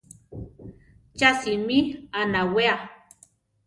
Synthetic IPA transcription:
t͡ʃasimianawea

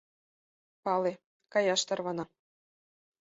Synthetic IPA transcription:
pɑle | kɑjɑʃt̪ɑrβɑnɑ

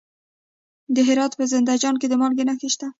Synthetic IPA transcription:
d̪əɦɪɾɑt̪pəzɪnd̪ad͡ʒɑnk̬ed̪əmɑlɡenaxeʃt̪a

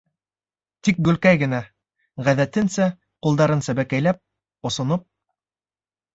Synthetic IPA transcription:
t̪ik̚ɡɵ̆lkæjɡɘ̆næ | ʁæðæt̪ɘnsæ | qulˠd̪ɑɾɤnsæbækæjlæp̚ | ŏsŏnop̚

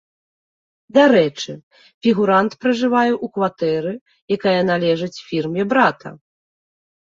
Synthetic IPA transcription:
d̪aɾɛt͡ʂɨ | fʲiɣuɾant̪pɾɐʐɨvajɛʔukvat̪ɛɾɨ | jakajɐnalʲɛʐɨt͡sʲfʲirmʲɛbɾat̪ʰɐ̰

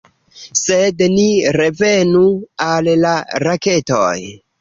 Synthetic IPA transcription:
sedniɾe̞ve̞nuallaɾake̞to̰j

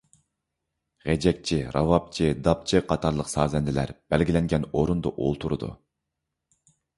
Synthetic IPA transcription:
ʁɛd͡ʒɛk̚ʲt͡ʃʰiɾɑvɑp̚t͡ʃʰid̪ɑp̚t͡ʃʰiqʰɑt̪ʰɑɾlˠəqsɑːzɛnd̪ɪlæ̰ɾb̥ælɡʲilɛŋɡʲɛnoɾund̪ɑʔo̰lˠt̪ʰuɾɨ̰d̪ṵ

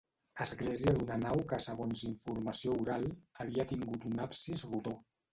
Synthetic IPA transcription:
əzɣlɛziəd̪unənawkəsəɣonziɱfuɾməsiouɾalˠəβ̞iət̪iŋɡut̪unapsizrut̪o

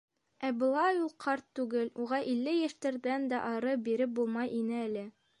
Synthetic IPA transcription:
æbŏlˠɑjulˠqʰɑɾt̪ːʉɡɘluʁɑʔilːɘjæʃt̪ɘ̆ɾd̪ænd̪æʔɑɾɤbiɾɘp̚bulˠmɑjʔinɘælɘ

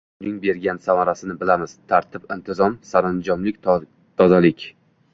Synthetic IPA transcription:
ʊnɪŋbe̞ɾɡʲansamaɾasɪnɪbɪlamɪz̥t̪ʰaɾt̪ʰɪpɪnt̪ʰɪzɒmsaɾand͡ʒɒmlɪkʲ | t̪ʰɒzalɪkʲ

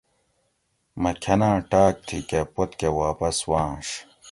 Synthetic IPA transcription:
mɐkʰɐnãːʈaːk̚t̪ʰikepot̪kewaːpɐswãːʂ

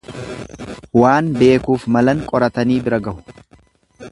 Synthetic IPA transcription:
waːnbe̞ːkuːfmɐlɐŋkʼɔɾɐt̪ɐniːbɪɾɐɡɐʔʊ̥

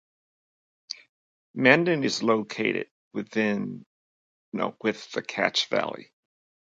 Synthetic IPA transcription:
mæ̃ndɨ̃nɨzloʊkʰeɪɾɪ̰d̚wɨðɪ̃n | no̰ʊwɪðɨkʰæ̰t͡ʃv̥æ̰lˠḭ

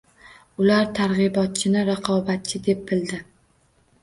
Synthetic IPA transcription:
ʊlaɾt̪ʰaɾʁɨbɒt̪̚t͡ʃʰɪnɪɾɑqʰɒbat̪̚t͡ʃʰɪd̪e̞p̚ːɪld̪ɪ

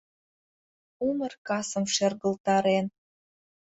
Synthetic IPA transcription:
umə̆rkɑsə̆mʃerɣə̆lt̪ɑɾen

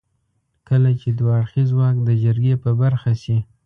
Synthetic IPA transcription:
kəlat͡ʃed̪waːɽxizwɑkd̪əd͡ʒəɾɡepəbaɾxasi

